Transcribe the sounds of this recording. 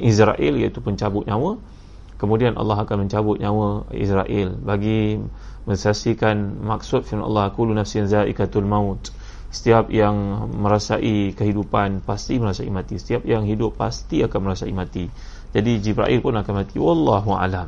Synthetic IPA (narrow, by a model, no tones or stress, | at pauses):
ʔisɾa̰ʔilja̰ʔit̪upəɲt͡ʃabʊt̪̚ɲãwə | kəmũdianʔɑ̰lːɑɦakanmə̃ɲt͡ʃabʊt̪̚ɲãwəḭsɾaʔɪlbaɡi | mə̃nsasikanmak̚sʊt̪̚fiɑ̰lːɑhkulunafsinzaʔḭkat̪ulmãʊt̪ | sə̥t̪iap̚jaŋmə̃ɾasaʔikəɦidupanpast̪iməɾasaimãt̪isə̥t̪iap̚jaŋɦidʊpːa̰st̪iakanməɾasaimãt̪i | d͡ʒadid͡ʒibɾa̰ʔilpʊnakanmãt̪iwɑlːɑɦua̰lam